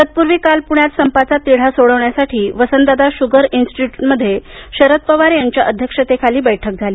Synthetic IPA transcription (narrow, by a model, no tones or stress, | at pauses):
ət̪̚puɾʋiːkalpuɳjat̪səmpat͡sat̪iɽ̤asoɽəʋɳjasaʈʰiːʋəsənd̪ad̪aɕuɡəɾinsʈiʈuʈməd̪ʱːjeɕəɾət̪̚pəʋaɾjaɲt͡ɕjaʔəd̪ʱjəkʂət̪ekʰaliːbəjʈʰək̚d͡zʱaliː